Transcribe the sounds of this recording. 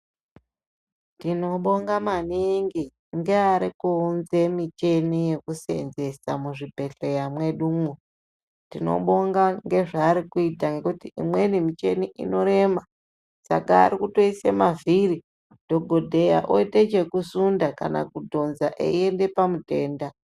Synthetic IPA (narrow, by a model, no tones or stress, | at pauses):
tino̞ɓo̞ŋɡamaniŋɡi | ŋɡeaɾikunze̞mit͡ʃe̞nije̞kuse̞̰nze̞samuʐibʱe̞ɬejamwe̞ɗumu | tino̞̰ɓo̞ŋɡaŋɡe̞ʐaːɾikuitaŋɡe̞kutiimwenimit͡ʃe̞niʔḭno̞ɾe̞ma | sa̰ka̰ːɾikuto̞isemaviɾi | d̥ʱo̞ɡʱodʱe̞ja̰ʔoitet͡ʃe̞kusundaka̰na̰kudʱo̞nzaʔḛie̞nde̞pamudʱe̞ːnda